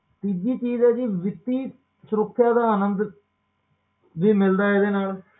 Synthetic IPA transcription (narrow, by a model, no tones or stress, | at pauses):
t̪iːd͡ʒiːt͡ʃiːzɛːd͡ʒiːʋɪt̪ːiː | səɾʊkʰːjaːd̪aːənənd̪ | ʋiːmɪld̪aːɪd̪eːnaːl